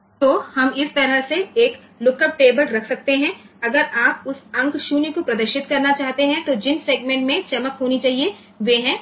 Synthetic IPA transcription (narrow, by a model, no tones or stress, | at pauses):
t̪oːhɐmɪst̪ɐɾəɦseeːk | lʊkəb̚ʈeːbəlɾɐkʰsɐk̚t̪eɦɛ̃ɐɡəɾaːp̚ʊsɐ̃ŋkʃuːnikopɾɐd̪əɾʃɪt̪kɐɾnat͡ʃaːɦt̪eɦɛ̃t̪od͡ʒɪnseːɡmẽːɳʈmẽt͡ʃɐməkɦoːnit͡ʃaːɦie | ʋeːɦɛ̃ː